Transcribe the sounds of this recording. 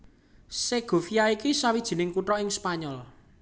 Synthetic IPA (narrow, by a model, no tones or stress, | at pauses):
seɡ̥o̤fijaikisawid̥ʒ̥i̤nɪŋkuʈɾɔɪŋspaɲɔl